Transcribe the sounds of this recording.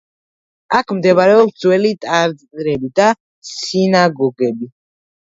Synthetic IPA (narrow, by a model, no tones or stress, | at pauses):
akʰmd̪ɛβaɾɛɔpd̪zwɛlit̪ʼaɾd̪ɾɛbid̪a | sinaɡɔɡɛbi